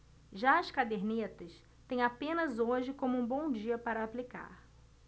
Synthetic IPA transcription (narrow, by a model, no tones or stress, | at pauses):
ʒaɐskad̪eɾnet̪ɐs | t̪ẽj̃apẽnɐzoʒɪkõmʊũbõw̃d͡ʒiɐpaɾɐːplika̰ɾ